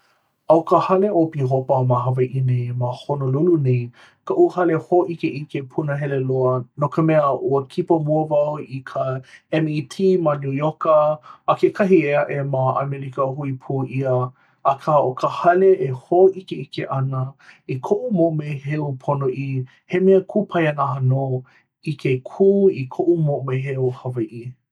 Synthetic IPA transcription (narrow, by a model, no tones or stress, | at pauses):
ɐwkəhɐleopiɦopəmaɦɐvɐʔinemahonolulunej | kəʔuhɐlehoʔikeʔikepʰunəɦɛleloənokʰəmɛəʔuəkʰipəmuəvɐwikʰəɛmitʰiːmanujokəːkekʰɐɦieɐʔemaɐ̰mɛɾikəɦuipʰuːʔiəː | kʰaʔokʰəhɐleʔehoʔikeikeʔɐnəikʰoʔumoʔmejɦeupʰonoʔi | hemeəkʰupʰɐjɐnaɦano | ikekʰuːikʰoʔumoʔmejɦeuhɐvɐʔi